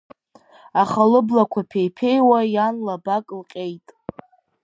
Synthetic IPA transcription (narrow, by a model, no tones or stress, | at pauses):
aχalɨblakʷʰapʰejpʰe̞jwajanlabakʼlqʲʼe̞jtʼ